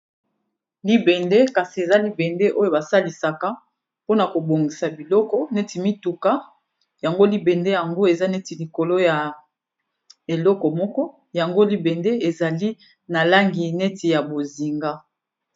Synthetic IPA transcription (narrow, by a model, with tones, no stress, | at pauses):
li˦bɛ˨nde˦ka˨si˨e˨za˦li˦bɛ˨nde˦ʔo˦jo˨ba˨sa˦li˨sa˨ka˦ | po˦na˨ko˨bo˨ŋɡi˨sa˨bi˨lɔ˦kɔ˦nɛ˦ti˨mi˦tu˨ka˦ | ja˨ŋɡo˦li˦bɛ˨nde˦ja˨ŋɡo˦e˨za˦nɛ˦ti˨li˨ko˨lo˦ja˨ | e˨lɔ˦kɔ˨mɔ˦kɔ˦ | ja˨ŋɡo˦li˦bɛ˨nde˦e˨za˨li˦ | na˨la˦ŋɡi˨nɛ˦ti˨ja˨bo˨zi˨ŋɡa˦